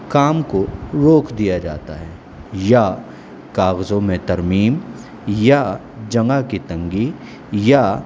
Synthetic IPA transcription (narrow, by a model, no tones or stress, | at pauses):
kaːmkoɾoːkʰd̪ijad͡ʒa̰ːt̪a̰ɦɛː | ja | kaːɣzõmẽt̪ɐɾmiːm | ja | d͡ʒɐ̃ŋɡakit̪ɐ̃ŋɡi | ja